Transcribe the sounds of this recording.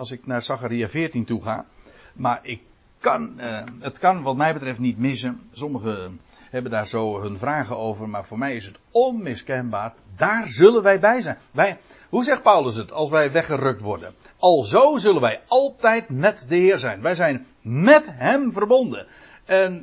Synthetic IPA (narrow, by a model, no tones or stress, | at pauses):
ɑlˠsɪknaːrsaxaɾiafɪːrtintuχa̰ːmarɪkː | ɑnətkɑnʋɑt̚mɛjbətrɛftnitmɪs̬əsɔməɣə | hɛbəndaːrzoːɦənvraːɣəowvərmaːrvʊːrmɛjɪsɦət | ɔnmɪskɛnbaːr | daːrzɵlənʋɛjbɛjzɛjnʋɛj | huzɛxt̚pawləs̬ətʰɑlˠs̬ʋɛjʋɛχərøk̚tʋɔrdə̰n | ɑlˠzoːzɵlənʋɛjɑlˠtɛjtmɛtdəɦɪːrzɛjnʋɛjzɛjn | mɛtɦɛmvərbondən | ɛn